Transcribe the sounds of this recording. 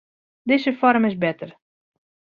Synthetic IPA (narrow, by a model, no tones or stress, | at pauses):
dɪzəfɔɾmɪzbɛtər